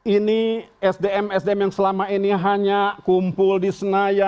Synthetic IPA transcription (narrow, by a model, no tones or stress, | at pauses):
iniɛsdeɛmɛsdeɛmjaŋsəlamainiɦaɲakumpʊldisənaja